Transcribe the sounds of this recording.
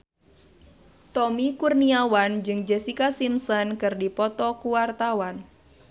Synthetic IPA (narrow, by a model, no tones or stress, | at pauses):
t̪ɔmikurniawand͡ʒɨŋd͡ʒɛsikasimsɔnkɨrdipɔt̪ɔkuwart̪awan